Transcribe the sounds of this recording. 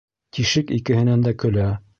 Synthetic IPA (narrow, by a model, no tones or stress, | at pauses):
t̪iʃɘkikɘ̆hɘ̆nænd̪ækɵ̆læ